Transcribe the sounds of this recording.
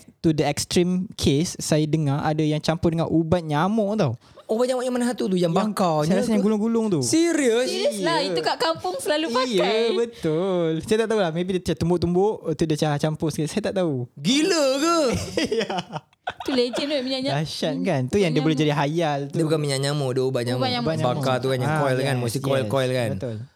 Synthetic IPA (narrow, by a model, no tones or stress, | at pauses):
t̪udəɛk̚st̪ɾimkʰesːajadəŋaa̰dajaŋt͡ʃampʊdəŋaʔubat̪̚ɲamɔʔt̪aw | ubat̪̚ɲamɔʔɲamanaɦat̪ut̪̬ujaŋbbaŋkawsajaɾasaɲaŋɡulʊŋɡulʊŋt̪usiɾiəsəaiukaʔkampʊŋsəlaluijbət̪ʊlsajat̪aʔt̪aulahmeb̬idit͡ʃat̪umbʊʔt̪umboʔt̪udiat͡ʃaat͡ʃampʊskisajat̪aʔt̪auɡiləkəja | t̪uled͡ʒənuʔmiɲaʔɲalaʃan̚kant̪ujaŋdiəbolɛhd͡ʒadiɦajalt̪udiəbukanmiɲaʔɲamɔʔdobaʔɲãbaɲambaɲabakkat̪ukanjãŋkɔjlkanmusikɔɛlkɔɛlkanbət̪ul